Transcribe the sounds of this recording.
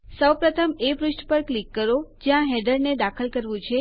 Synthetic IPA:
səwpɾət̪ʰəmeʋɾʊʃʈpəɾklikːəɾod͡ʒjãɦɛɖəɾned̪akʰəlkəɾʋũt͡ʃʰe

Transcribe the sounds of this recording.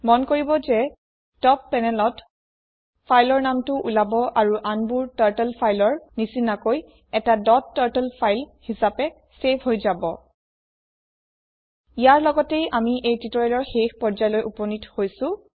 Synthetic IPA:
mɔnkoɹibɔzɛ | tɔpːɛnɛlɔt | pʰajlɔɹnamtʊʔulabɔʔaɹuʔanbuɹtaɹtɛlpʰajlɔɹnisinakoj | ɛtadɔtːaɹtɛlpʰajlhisapɛ | sepʰɦojzabɔ | ijaɹlɔɡɔtejamiʔejtitɔɹalɔɹxexpɔɹzajlojʔupɔnithojsʊ̃

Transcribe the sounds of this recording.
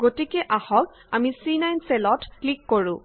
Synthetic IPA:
ɡotikɛʔahɔk | amisɹinajnselɔtklikːoɹʊ̃

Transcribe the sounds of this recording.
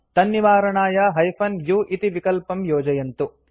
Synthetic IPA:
t̪ɐnːiʋaːɾɐɳaːjɐɦɐjfʰɐnjuːʔit̪iʋikɐlpɐmjoːd͡ʒɐjɐnt̪u

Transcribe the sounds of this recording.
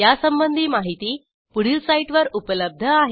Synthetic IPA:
jasəmbənd̪ʱiːmaɦit̪iː | puɽ̤isaiʈʋəɾupələb̚d̪ʱəaɦe

